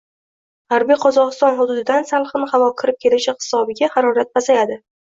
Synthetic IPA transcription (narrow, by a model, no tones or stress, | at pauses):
haɾbijqʰɒzɒʁɨst̪ɒnɦʊd̪ʊd̪ɪd̪ansalˠχɨnɪhavɒkʲʰɪɾɪp̚kʲʰe̞lɪʃɪhɪ̥sɒbɪɡʲahaɾɒɾat̪̚basajad̪ɪ